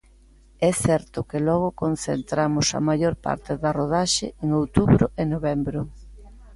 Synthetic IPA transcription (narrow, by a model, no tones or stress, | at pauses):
ɛθɛɾt̪ʊkelɔɣ̞ʊkon̟θḛnt̪ɾamʊsɐ̰majoɾpa̰ɾt̪ɪðɐroð̞aʃḛeŋowt̪uβɾʊ̰ʔenoβɛmbɾʊ